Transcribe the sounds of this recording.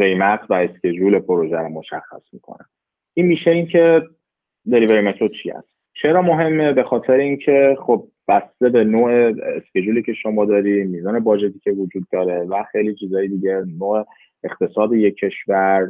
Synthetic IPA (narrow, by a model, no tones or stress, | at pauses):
ɢe̞jmæt̪ʰvæesce̞d͡ʒulepʰoɾoʒæɾomːo̞ʃæxːæ̰smiːkʰo̰næ̰n | ʔiːnmiːʃeincʰe̞ | d̪e̞libe̞ɾimet̪ʰɾot͡ʃʰḭhæ̰st̪ | t͡ʃʰe̞ɾɒːmo̞ɦe̞mːebe̞xɒːt̪ʰe̞ɾeincʰe̞χob̥̚ːæst̪e̞be̞noːʔeːsce̞d͡ʒuliːcʰe̞ʃo̞mɒːd̪ɒːɾiːmiːzɒːne̞bɒːd͡ʒe̞t̪ʰiːcʰʲevod͡ʒuːd̪ːɒːɾe̞væxe̞jlit͡ʃʰiːzɒːjid̪iːɟe̞noːe | ext̪ʰe̞sɒːd̪ejekʰːe̞ʃvæɾ